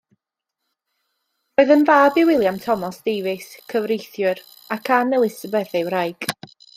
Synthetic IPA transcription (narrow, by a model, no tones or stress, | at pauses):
roːɨðənvaːbɪwɪlˠjamtʰɔmɔsd̥eːvɪskʰəvrejθjʊɾ | akʰanɛlˠɪsəbɛθewɾajɡ̥